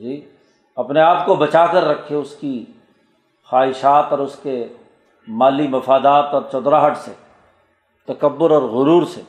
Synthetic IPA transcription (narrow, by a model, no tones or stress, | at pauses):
d͡ʒiː | ɐpneaːpkobɐt͡ʃaːkəɾːɐkʰːeʊski | xaːɦɪʃaːt̪ɔːɾʊske | maːlimɐfaːd̪aːt̪ɔːɾt͡ʃɔːd̪ɾaɦɐʈse | t̪ɐkɐbːʊɾɔːɾɣʊɾuːɾse